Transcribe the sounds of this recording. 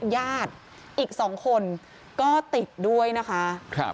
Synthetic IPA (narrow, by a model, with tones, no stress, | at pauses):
jaː˥˩t̪̚ | ʔiː˨˩k̚sɔː˩˦ŋkʰo˧n | kɔː˥˩t̪i˨˩t̪̚du˥˩əjna˦˥kʰa˦˥kʰ